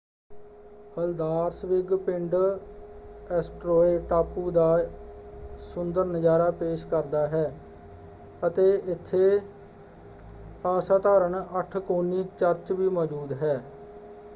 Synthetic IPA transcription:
pəld̪aːɾsʋɪɡpɪɳɖ | ɛːsʈɾoːeːʈaːpuːd̪aː | sʊnd̪əɾnəd͡ʒaːɾaːpeːʃkəɾd̪aːɦɛː | ət̪eːɪt̪ʰːeː | aːsaːt̪aːɾəɳəʈʰkoːnːiːt͡ʃəɾt͡ʃʋiːmɔːd͡ʒuːd̪ɦɛː

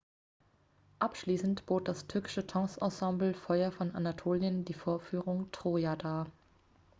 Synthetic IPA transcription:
ʔapʃliːsn̩tb̥oːt̚d̥astʰʏɐkɪ̥ʃətʰɔ̃ːsʔɔsɑ̃mbl̩fɔʏɐfɔnʔanatʰoːljəndiːfoːɐfyːʁʊŋtʁ̥oːjaːdaː

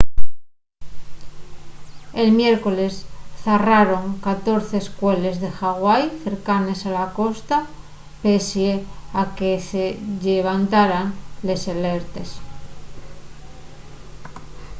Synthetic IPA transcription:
elmjeɾko̞le̞sθaraɾo̞ŋkat̪o̞ɾθeːskwele̞zðe̞xaɣwajθe̞ɾkane̞salako̞st̪a | pesjeakeseʎeβ̞ant̪aɾaŋle̞seleɾt̪es

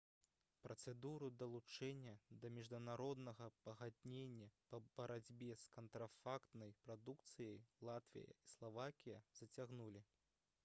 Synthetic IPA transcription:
pɾɐt̪sɛd̪uɾud̪ɐlˠut͡ʂɛnʲːɐd̪ɐmʲiʐd̪unaɾɔd̪nɐɣɐpɐɣad̪ʲnʲenʲːɐpɐbɐɾad͡zʲbʲɛskɐnt̪ɾafakt̪nɐjpɾad̪ukt̪sɨjɐjlˠat̪vʲḭjɐ̰islˠavakʲijɐz̥ɐt͡sʲaɣnulʲi

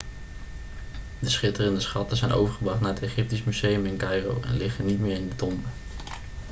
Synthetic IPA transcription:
dəsχɪtərəndəsχɑtəzɛjnʔo̰wvəɹχəbrɑχtnaːɹətejχɪp̚tismyz̥ejəmɪnkɑjro̰wʔɛ̰nlɪχənːitmɪːɹɪndətɔmbə

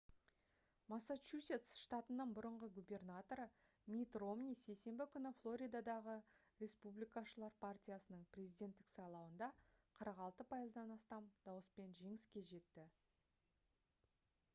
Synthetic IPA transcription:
masːat͡ʃusʲe̞t̪sʃt̪at̪ənəɴbʊɾəɴʁəɡubʲe̞rnat̪o̞ɾə | mʲit̪ro̞mnʲijse̞jse̞mbɪkʲʰʏnɪflˠo̞ɾʲijd̪ad̪ɑʁə | ɾʲe̞spublʲijkɑʃəlˠɑɾpʰartʲijasənəɴprʲe̞zijd̪ʲe̞nt̪ːɪksɑjlˠɑwənd̪ɑqʰəɾəqɑlˠt̪əpʰɑjəzd̪ɑnɑst̪ɑmd̪ɑwəspe̞nʒe̞ŋɪskʲe̞ʒe̞t̪ːɪ

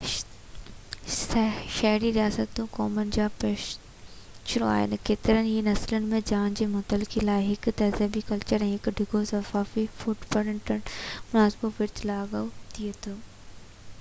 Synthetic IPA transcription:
sʃɐɦɾiɾijaːsət̪ːũkɔːmənɪ̆d͡ʑaːpɾeː | ʃɪno̰a̰ːɦɪ̰nɪ̆keːt̪ɪɾənɦiːnɐslənɪ̆mẽd͡ʑaːnd͡ʑeːmʊt̪əlɪkilaːɪɦɪkt̪ɛːzəbikɐlt͡ɕəɾɛ̃ːɦɪkɖʱɪɡosɐfaːfifuːʈpɐɽəɳʈənmʊnaːsboʋɪɾt̪ʰlaːɡət̪iet̪ʰoː

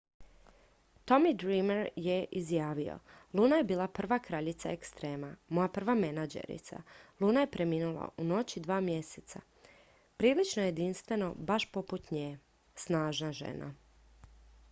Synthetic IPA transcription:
t̪o̞mid̪ɾimeɾjeʔizjaːʋio̞̰lˠuːnaje̞biːlˠapr̩ʋakɾaʎit̪saekst̪ɾe̞ːmamo̞japr̩ʋame̞nad͡ʒḛɾḭt̪sa̰lˠuːnaje̞pɾe̞miːnulˠa̰ʔuno̞t͡ɕid̪ʋaːmje̞set̪sa̰ | pɾiːlit͡ʃnojed̪inst̪ʋe̞no̞baʃpo̞put̪ɲeː | snaːʒnaʒḛna̰

